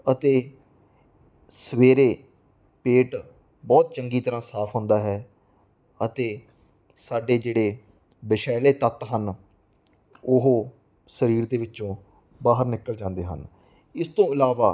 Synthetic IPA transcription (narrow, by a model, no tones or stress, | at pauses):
ət̪eː | səʋeːɾeː | peːʈ | bɔːt̪̚t͡ʃəŋɡiːt̪əɾãːsaːpʰɦʊ̃ːnd̪aːɦɛː | ət̪eː | saːɖeːd͡ʒeːɽeː | bɪʃɛːleːt̪ət̪ɦən | ʊɦoː | səɾiːɾd̪eːʋɪt͡ʃõː | baːɦəɾnɪkːəld͡ʒãːnd̪eːɦə̰n | ɪst̪õːɪlaːʋaː